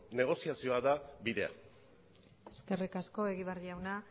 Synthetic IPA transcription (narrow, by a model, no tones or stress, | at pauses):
ne̞ɣ̞o̞siasio̞aðabiðe̞a̰ | eske̞rikasko̞e̞ɣiβ̞ariawna